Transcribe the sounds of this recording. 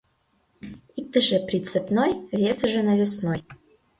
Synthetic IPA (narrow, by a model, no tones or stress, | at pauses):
it̪ːəʐɛpɾʲɪt̪sɛpnojvʲesʐɛnɐvʲɪsnoj